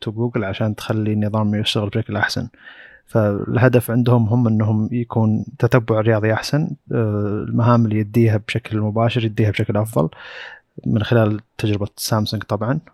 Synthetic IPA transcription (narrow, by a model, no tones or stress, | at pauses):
t̪ɡuːɡɪlʕaʃaːnt̪xalːinːɨðˤɑːmjɪʃtʊɣlbʃaklʔaħsa̰nfaɪ̰lɦad̪afʕɪnd̪hʊmɦʊmʔɪnːɦʊmjakuːnt̪at̪abːʊʕɾɪjɑːðˤiʔaħsan | lmaɦaːmɪlːiːjɪd̪ːiːɦabʃaklmʊbaːʃɪɾjɪd̪ːiːhabʃaklʔɑfðˤɑ̰l | mɪnxɪlaːlt̪ʰːad͡ʒɾɪbasaːmsʊŋɡt̪ˤɑbʕɑn